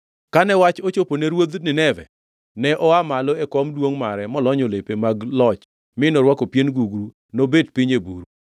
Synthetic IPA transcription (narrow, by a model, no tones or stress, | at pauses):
kanɛwat͡ʃot͡ʃoponeɾwod̪nɪnɛvɛ̰ | nɛʔɔamalɔekɔmdwoŋmaɾɛmɔlɔɲɔlepemaɡlɔt͡ʃ | mɪnɔɾwakopjenɡuɡɾu | nobedpiɲebuɾu